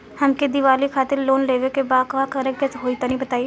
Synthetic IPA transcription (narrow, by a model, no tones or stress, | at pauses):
hɐmked̪ɪʋaːlikʰaːt̪ɪɾloːnleːʋekebaːkakɐɾekɡɛsɦoːit̪anɐɦĩbɐt̪aːi